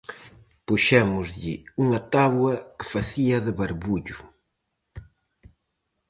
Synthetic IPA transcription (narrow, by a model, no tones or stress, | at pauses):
puʃɛmʊzʎɪ̰uŋɐt̪aβwɐkɪ̥faθiɐðɪβaɾβuʎʊ